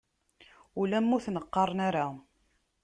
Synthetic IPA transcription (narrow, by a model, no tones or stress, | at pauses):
ulæmːʊθnəqːɑɾˤnaɾa